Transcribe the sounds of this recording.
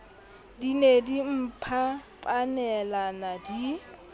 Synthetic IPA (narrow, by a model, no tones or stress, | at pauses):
dinedim̩pʰapʼanɛlanadi